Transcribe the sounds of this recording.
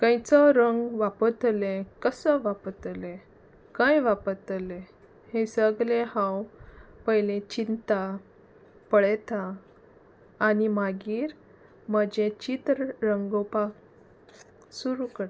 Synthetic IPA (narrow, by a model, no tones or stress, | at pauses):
kãjt͡sɔɾəŋɡʋapət̪lekəsəʋapət̪le | kãjʋapət̪le | hesəɡlẽhãwpəɦjlẽt͡ɕint̪a | pəɭɛt̪a | nimaɡiːɾ | məd͡ʑẽt͡ɕit̪ɾɾəŋɡopak | suɾukəɾ